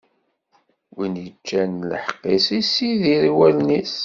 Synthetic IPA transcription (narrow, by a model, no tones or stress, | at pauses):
winjət͡ʃːænlə̰ħəqːisisiðiɾiwælnis